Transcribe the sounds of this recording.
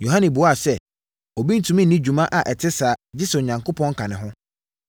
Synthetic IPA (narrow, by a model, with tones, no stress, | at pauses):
jo˨ɦã˦nɪ̃˨bʊ˨˦a˨sɛ˦ | ɔ˨bi˦n̩˦tʰũ˨mĩ˦nĩ˦d͡ʑᶣu˨mã˦ʔa˨ʔɛ˨tʰɪ˦saː˨d͡ʑɪ˦sʊ˨ɲã˨ŋkʰo˦pʰɔ̃˦ŋ̩˦kʰã˨nɪ̃˨ɦʊ̃˦